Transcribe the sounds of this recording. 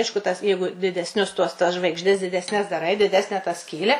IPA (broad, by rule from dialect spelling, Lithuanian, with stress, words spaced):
ˈɐɪʃkʊ tɐs ˈjɛɪɡʊ dʲɪdʲɛsʲˈnʲʊs tuɔs tɐs ʒʋɐɪɡʒʲˈdʲɛs dʲɪdʲɛsʲˈnʲɛs dɐˈrɐɪ dʲɪˈdʲæːsʲnʲɛ tɐ ˈsʲkʲiːlʲæː